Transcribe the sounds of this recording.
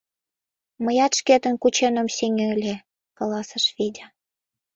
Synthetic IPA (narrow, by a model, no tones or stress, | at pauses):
məjɑt̪ʃket̪ənkut͡ɕenə̆msʲeŋʲelʲe | kɑlɑsəʃβidʲɑ